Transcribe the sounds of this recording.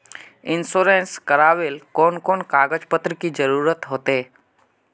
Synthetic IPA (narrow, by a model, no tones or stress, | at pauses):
ɪnsoːɾeːnskəɾaːʋeːlkoːnkoːnkaːɡəd͡ʒpət̪ɾəkid͡ʒəɾuːɾət̪ɦoːt̪eː